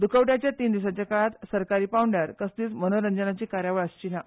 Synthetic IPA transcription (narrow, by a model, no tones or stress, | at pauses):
d̪ukʰəʋwʈjat͡ɕjat̪iːnd̪isat͡ɕakaɭat̪səɾkaɾiːpawɳɖəɾkəst̪iːt͡smənoɾəɲd͡zənat͡ɕiːkaɾjaʋəɭəst͡ɕina